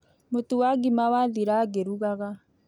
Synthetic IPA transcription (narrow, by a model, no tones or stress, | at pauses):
motuwaɡimawaðiɾaɡeɾuɣaɣa